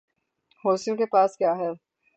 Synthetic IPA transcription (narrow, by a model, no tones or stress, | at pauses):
hoːsijõkepaːskjaːɦɛː